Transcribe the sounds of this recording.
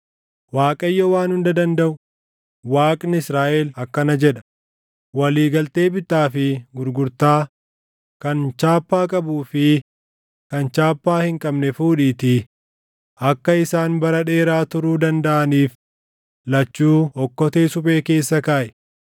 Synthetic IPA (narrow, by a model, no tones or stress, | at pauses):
waːkʼɐjːɔwaːnhʊnd̪ɐd̪ɐnd̪ɐʔʊ | waːkʼnɪɪsɾaːʔɛlɐkːɐnɐd͡ʒɛᶑɐ̥ | wɐliːɡɐlt̪e̞ːbɪt̪ːaːfɪɡʊɾɡʊɾt̪aː | kɐnt͡ʃaːpːaːkʼɐbuːfɪ | kɐnt͡ʃaːpːaːhɪŋkʼɐbnɛfuːᶑiːt̪ɪ | ʔɐkːɐɪsaːnbɐɾɐᶑe̞ːɾaːt̪ʊɾuːd̪ɐnd̪ɐʔɐniːf | lɐt͡ʃːuːhɔkːɔt̪eːsʊpʼe̞ːke̞ːsːɐkaːʔɛ̥